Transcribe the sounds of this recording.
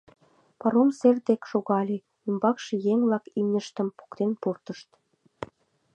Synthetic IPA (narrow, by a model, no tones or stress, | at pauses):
pɑɾomserd̪ekʃoɣɑlʲe | ymbɑkʃĕjeŋβlɑkimnʲə̆ʃt̪ə̆mpu̥kt̪enpurt̪əʃt̪